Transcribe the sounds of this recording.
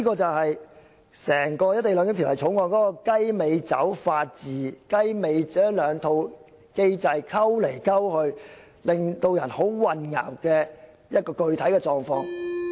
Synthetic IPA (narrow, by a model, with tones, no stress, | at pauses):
iː˥kɔː˧t͡sɐ˨wɦɐ˨j | sɛː˨˩ŋkɔː˧jɐ˥t̪ːe˨jlœː˨˧ŋkɪ˥t̪ʰi˨˩˨ɐ˨jt͡ʃʰo˨˥wŋɔː˨˧nkɔː˨˥kɔː˧kɐ˥jme˨˧jt͡sɐ̰˨˥wfaː˧t̚t͡siː˨kɐ˥jme˨˧jt͡sɛː˨˥lœː˨˧ŋt̪ʰo˨˧w | ke˥jt͡sɐ˧jkʰɐ˥wle˨˩jkʰɐ˥whɵ˧ɥ | lɪ˨ŋt̪o˧wjɐ˨˩nho˨˥wwɐ˨nŋa̰ː˨˩wkɛː˧ | jɐ˥t̚kɔː˧kɵ˨˧ɥt̪ʰɐ˨˥jkɛː˧t͡ʃɔː˨ŋfɔː˧ŋ